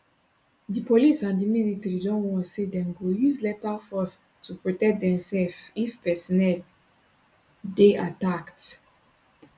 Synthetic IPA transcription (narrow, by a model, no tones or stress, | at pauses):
dipolisãndiminitɹidɔ̃nwɔ̃ntsedɛ̃mɡojuzlɛtafɔs | tupɹotɛk̚dɛ̃msɛlfifpɛsɔnɛl | deʔatakt